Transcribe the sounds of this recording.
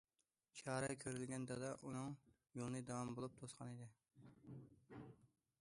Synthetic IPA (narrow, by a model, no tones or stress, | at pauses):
t͡ʃʰɑːɾɑkʲʰøɾɪlɡʲɛnd̪ɑd̪ɑʔunɨŋ | jolˠnɨd̪ɑwɑmbolˠup̚t̪ʰosqʰɑnid̪ɪ